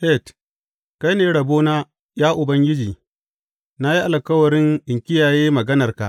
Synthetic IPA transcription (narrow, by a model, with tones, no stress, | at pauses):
ɸɛ˦˨t | ka˦jneː˨ɽɐ˨boː˦naː˦ | jaː˦ʔʊ˨bɐ˦ŋɡʲɪ˦d͡ʒiː˨ | na˦ji˦ʔa˨lkɐ˦wɐ˨ɾɪ˦ŋʔɪ˨ŋkʲɪ˦jaː˨jeː˦mɐ˨ɡɐ˦nɐ˨rka̰˨ʔ